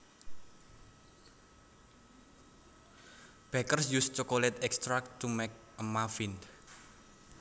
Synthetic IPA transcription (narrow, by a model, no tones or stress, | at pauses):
b̥ɛkərsjust͡ʃokolɛt̪ɛkst̪ɾak̚t̪ːumɛk̚ | əmafin